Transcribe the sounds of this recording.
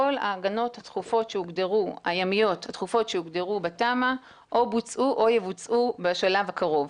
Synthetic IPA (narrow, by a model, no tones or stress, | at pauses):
o̞la̰ːɡano̞that̪χufo̞tʃeuɡdeʁua̰jamijo̞that̪χufo̞tʃeuɡdeʁubetama | ʔobut͡sʔuʔo̞jevut͡sʔubeʃalavhakaʁo̞v